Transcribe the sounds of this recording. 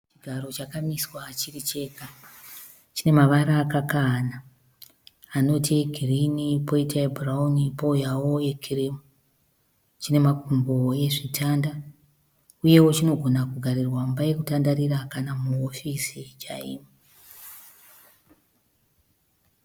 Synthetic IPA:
t͡ʃiɡʱaɾo̞t͡ʃakamiswat͡ʃirit͡ʃe̞ːka | t͡ʃine̞maʋaɾaːkakaːna | ano̞tieɡʱirinipo̞itaebʱuraunipo̞jawo̞ekʰirimu | t͡ʃine̞makumbo̞je̞ʐitʰanda | uje̞wot͡ʃino̞ɡʱonakuɡʱaɾirwambaje̞kutandaɾirakanamuofisit͡ʃaḭːmo

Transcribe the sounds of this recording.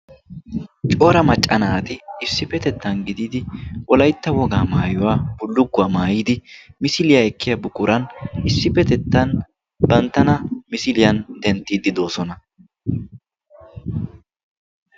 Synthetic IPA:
t͡ʃʼo̞ːɾɐmɐt͡ʃʼːɐnaːt̪ɪɪsːɪfɛt̪ɛt̪ːɐnɡɪd̪iːd̪ɪʔɔlɐjt̪ːɐwɔɡaːmaːjɔwaːb̥ʊlːʊɡːʊɐmaːjiːd̪ɪmɪsɪlɪjaɛkːɪjɐbʊkʼʊɾɐnɪsːɪfɛt̪ɛt̪ːɐn | bɐnt̪ːɐnɐmɪsɪlɪjɐnd̪ɛnt̪ːiːd̪ɪd̪o̞ːsɔnɐ

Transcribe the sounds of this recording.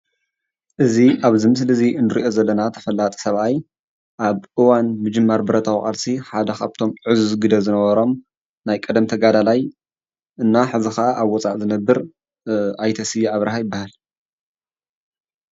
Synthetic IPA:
ʔɨziʔaβzɨmɨs̬lɨziɨnɨɾiʔo̞zɐlːɐnat̪ʰɐ̥fɐlːat̪ʼi̥sɐβʔaj | ʔaβʔɨwanmɨd͡ʒɨmːaɾbɨɾɐt̪ʰawxʼa̰lsiħad̪ɐxaβt̪ʰo̞mʕɨzuzɡɨd̪ɐzɨnɐβɐɾo̞m | najkʼɐd̪ɐmt̪ʰɐɡad̪alaj | ʔɨnːaħɨzixɐʔaʔaβwɔt͡sʼaʕzɨnɐbːɨɾ | ʔajt̪ʰɐsɨjːiʔaβɾahajɪbːahal

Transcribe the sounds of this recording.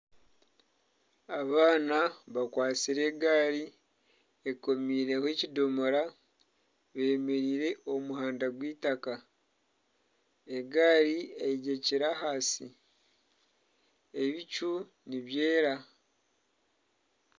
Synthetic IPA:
aβaːnaβakwaːt͡siɾe̞ːɡaːɾi | eko̞miːɾe̞hwecido̞moɾa | βe̞ːme̞ɾiːɾe̞ʔo̞muhaːndaɡwiːtaka | eɡaːɾiejiɟe̞ciɾahaːsḭ | e̞βicu | niβje̞ːɾa

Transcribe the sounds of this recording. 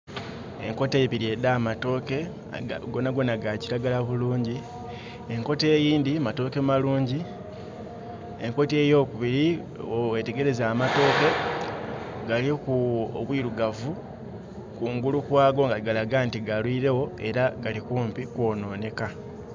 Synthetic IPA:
e̞ŋko̞tepiɾie̞damato̞ːke̞ | aɡo̞naɡo̞naɡaciɾaɡalaβuluːɲɟi | e̞ŋko̞te̞ːjiːndimato̞ːke̞maluːɲɟi | e̞ŋko̞tie̞ːjo̞kuβiɾi | owete̞ɡe̞ɾe̞zaːmato̞ːke̞ | ɡalikuo̰βwiːɾuɡavu | kuːŋɡulukwaːɡo̞ŋɡaɡalaɡantiɡalwiːɾe̞wo̞e̞ɾaɡalikuːmpikwo̞ːno̞ːne̞ka

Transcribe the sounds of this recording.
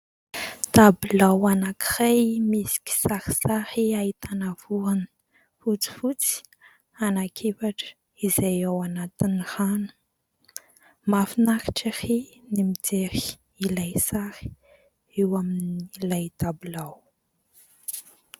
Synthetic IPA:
t̪abulawanakirajmisi̥kʲi̥saɾi̥sahiait̪anav̥uanə̥ | fut͡si̥fut͡si̥ | anakʰivaʈ͡ʂə̥ | izejawanat̪iniranə̥ | mafinaɾiʈ͡ʂiri | nimid͡zeɾi̥ | ilajsaɾi̥ | ewaminilajt̪abulaw

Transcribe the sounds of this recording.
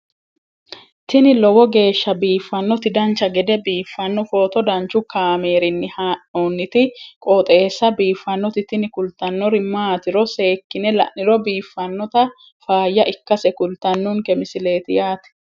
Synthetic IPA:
t̪ɪnɪlɔwɔɡe̞ːʃːɐbiːfːɐnːɔt̪ɪd̪ɐnt͡ʃːɐɡɛd̪ɛbiːfːɐnːɔfo̞ːt̪ɔd̪ɐnt͡ʃːʊkaːmeːɾɪnːɪhaːʔoːnːɪt̪ɪkʼoːt̪ʼeːsːɐbiːfːɐnːɔt̪ɪt̪ɪnɪkʊlt̪ɐnːɔɾɪmaːt̪ɪɾɔse̞ːkːɪnɛlɐ̰ʔɪɾɔbiːfːɐnːɔt̪ɐ | faːjːɐʔɪkːɐsɛkʊlt̪ɐnːʊŋkɛmɪsɪle̞ːt̪ɪjaːt̪ɛ̥

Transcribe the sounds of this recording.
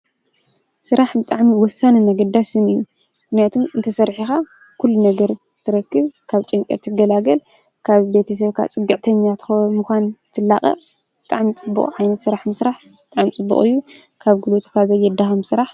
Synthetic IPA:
sɨɾʔaħbɨt̪ʼaʕmiwɔsːanɨnɐɡɐd̪asɨnɨjːu | mmɨxnijat̪ʰumɨnt̪ʰɐsɐɾħixa | kʰulːunɐɡɐɾ | t̪ʰɨɾɐkːɨβkʰaβt͡ʃʼɨŋkʼɐ̰t̪ʰɨɡɐlaɡɐl | kʰaβbe̞t̪ʰɐs̬ɐβkʰa̰t͡sʼɨɡɨʕt̪ʰɐɲːat̪ʰxomɨxʷant̪ʰɨlːaχʼɐ̰ | bɨt̪ʼaʕmit͡sʼɨbːṵkʼʕajnɐt̪sɨɾaħmɨsɾaħ | bɨt̪ʼaʕmt͡sʼɨbːṵχʼɨ̰jːu | kʰaβɡɨlot̪ʰkʰazɐjːɛd̪axɐmsɨɾaħ

